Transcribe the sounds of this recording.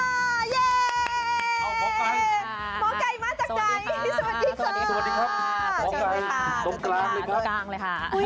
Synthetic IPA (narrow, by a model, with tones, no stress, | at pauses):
a˧˩jeː˧˩˧ | kʰɔː˨˦ka˧jmaː˧˥k̚t͡ɕaː˨˩kɾa˧jsə˧wa˨˩t̪̚ɗiː˨˦ka˦˧˥a˨t̚diː˧kʰa˦˥p̚ʰɔː˨˦ka˧jt̪o˧mklaː˧ŋlːkʰɾa˦˥˧